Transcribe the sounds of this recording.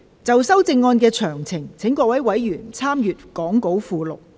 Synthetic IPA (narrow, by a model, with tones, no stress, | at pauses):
t͡sɐ˨wsɐ˥wt͡sɪ˧ŋːɔː˧nkɛː˧t͡ʃʰœː˨˩ŋt͡sʰɪ˨˩ŋt͡sʰɪ˨˥ŋkɔː˧k̚wɐ˨˥jwɐ˨˥jːyː˨˩nt͡sʰaː˥mjyː˨t̚kɔː˨˥ŋko˨˥wfuː˨˧lʊ̰˨k̚